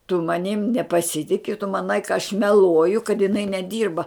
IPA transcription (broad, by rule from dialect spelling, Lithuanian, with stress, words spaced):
tʊ mɐˈnʲɪm nʲɛpɐˈsʲɪtʲɪkʲɪ tʊ mɐˈnɐɪ kɐ ɐʃ mʲɛˈlˠuɔjʊ kɐt jɪˈnɐɪ nʲɛˈdʲiːrbɐ